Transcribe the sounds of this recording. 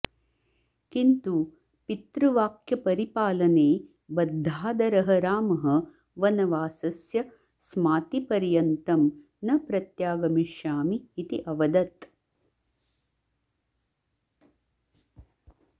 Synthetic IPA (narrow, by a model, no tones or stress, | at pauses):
kint̪u | pit̪ɾuʋaːkʰjɐpɐɾipaːlɐneː | bɐd̪ʱːaːd̪ɐɾɐɦɐɾaːmɐɦɐ̆ | ʋɐnɐʋaːsɐsjɐ | smaːt̪ipɐɾjɐnt̪ɐm | nɐpɾɐt̪jaːɡɐmiʃjaːmiːt̪iʔɐʋɐd̪ɐt̪